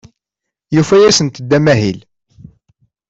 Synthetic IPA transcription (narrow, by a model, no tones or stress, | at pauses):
jufæjæsənt̪əd̪ːæmæɦil